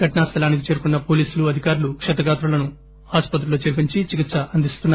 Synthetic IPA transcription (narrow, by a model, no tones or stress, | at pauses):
ɡɐʈnaːst̪ʰɐlaːnik̬it͡ʃe̞ːɾukunːɐpo̞ːliːsuluɐd̪ʱikaːɾulukʂɐt̪ɐɡaːt̪ɾulɐnu | aːspɐt̪ɾuloːt͡ʃeɾpiɲt͡ʃit͡ʃikit̪sɐʔɐnd̪ist̪unːa